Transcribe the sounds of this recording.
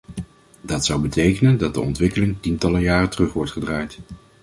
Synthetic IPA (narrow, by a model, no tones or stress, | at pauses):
dɑtsʌwbətejkənəndɑt̚də̰ɔ̰ntʋɪkəlɪŋtintɑləjaːətərɵχʋɔɹtχədraːjt